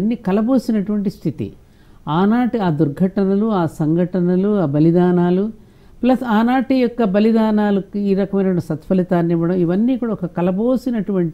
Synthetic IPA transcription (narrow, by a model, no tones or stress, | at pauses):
nːiːkɐlɐboːsinɐʈuʋɐɳʈist̪ʰit̪ḭ | aːnaːʈiaːd̪uɾɡʱɐʈɐnɐluaːsɐŋɡʱɐʈɐnɐluaːbɐlid̪aːnaːlu | plɐsaːnaːʈijɔkːɐbɐlid̪aːnaːlukiːɾɐkɐmɐjnɐisɐt̪pɐlit̪aːnniʋɐɽɐmiʋɐnːiːkuːɽaɔkɐkɐlɐboːsinɐʈuʋɐɳʈ